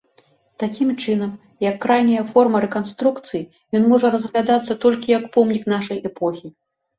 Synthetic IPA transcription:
t̪akʲimt͡ʂɨnɐm | jɐkːɾajnʲɐjɐfɔrmɐɾɛkanst̪ɾukt̪sɨji | jɔnmɔʐɐɾɐzɣlʲad̪at̪sːɐt̪ɔlʲkʲijɐkpɔwmnʲiknaʂɐjʔɛpɔxʲi

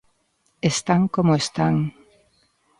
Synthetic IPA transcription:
est̪aŋkomoest̪aŋ

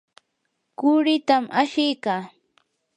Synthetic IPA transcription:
kʊɾɪt̪amʔaʃɪjkaː

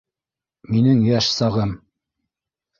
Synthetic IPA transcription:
minɘŋjæʃsɑʁɤm

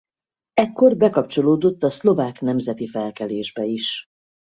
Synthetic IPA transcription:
ɛkːo̞rbɛkɒp̚t͡ʃo̞loːd̪o̞t̪ːɒslo̞vaːknɛmzɛt̪ifɛlkɛleːʒbɛiʃ

